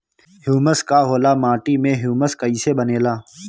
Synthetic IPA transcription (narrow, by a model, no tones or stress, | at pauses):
hjuːməskaːɦoːlaːmaːʈiːmẽɦjuːməskəiːsebəneːlaː